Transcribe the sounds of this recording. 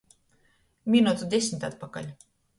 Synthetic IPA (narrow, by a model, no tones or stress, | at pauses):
mʲinot̪d̪esʲnʲt̪ɑt̪̚pɑkɑ̰lʲ